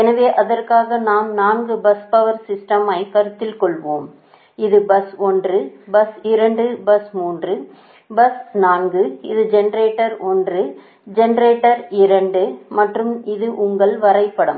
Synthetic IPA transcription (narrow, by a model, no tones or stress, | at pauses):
ɛnɐʋeːʔɐðɐrkaːɣɐnaːmnaːnɡɯbɐspɐʋɐɾsɪsʈɐmɐɪkɐɾɯt̪ːɪlkɔɭʋoːm | ɪðɯbɐsɔndrɯbɐsɪɾɐɳɖɯbɐsmuːndrɯ | bɐsnaːnɡɯɪ̰ðɯd͡ʒɛnɐɾeːʈːɐɾɔndrɯ | d͡ʒɛnɐɾeːʈːɐɾɪɾɐɳɖɯmɐʈrɯmɪðɯʔʊŋɡɐɭʋɐɾɐɪpːɐɽɯm